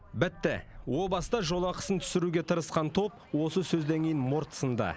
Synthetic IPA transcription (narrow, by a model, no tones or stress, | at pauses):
bɪt̪ːɪ̰wo̞bɑsəd̪ɑʒo̞lˠɑqə̥sənt̪ʰʏ̥sɪɾuɡʲe̞t̪ʰəɾəsqɑnt̪ʰo̞p | wo̞səsɵzd̪eŋkʰʲejɪnmo̞ɾt̪ə̥sənd̪ɑ̰